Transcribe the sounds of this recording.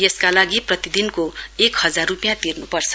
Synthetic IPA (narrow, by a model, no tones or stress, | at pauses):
jeskalaɡiprʌt̪id̪inkoekhʌd͡zarrupijãt̪irnupʌrt͡sʰʌ